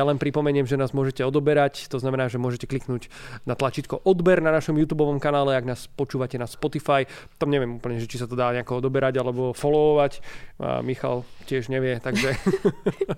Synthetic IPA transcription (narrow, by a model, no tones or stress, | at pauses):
jalɛnpɾipɔmɛɲɪɛmʒɛnaːzmʊɔʒɛcɛɔd̪ɔbɛɾact̪ɔznamɛnaːʒɛmʊɔʒɛcɛkliknuːɟnat̪lat͡ʃit̪kɔʔɔd̪bɛɾnanaʃɔmjuːt̪uːbɔʋɔmkanaːlɛaɡnaːspɔt͡ʃuːʋacɛnaspɔt̪ifaj | t̪amɲɛʋɪɛmuːpl̩ɲɛʒɛt͡ʃisat̪ɔd̪aːɲɛakɔɔd̪ɔbɛɾaɟalɛbɔfɔlɔɔʋacːmixa̰lcɪɛʒɲɛʋɪɛt̪aɡʒɛ